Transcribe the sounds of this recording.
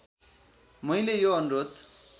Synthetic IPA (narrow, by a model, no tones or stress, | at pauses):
mʌjlejoʌnuɾod̪